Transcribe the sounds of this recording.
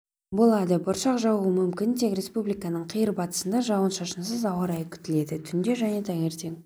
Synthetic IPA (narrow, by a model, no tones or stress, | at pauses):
bo̞lˠɑd̪əbʊɾʃɑqʒɑwuəmʏmkʲɪnt̪ʰe̞kɾʲe̞spublijkɑnəɴqʰijəɾbɑt̪ə̥sənd̪ɑʒɑwənʃɑʃənsəzɑwɑɾɑjkʲʰʏ̥t̪ɪle̞d̪ɪt̪ʰʏnd̪eʒæne̞t̪ʰɑŋe̞ɾt̪e̞ŋ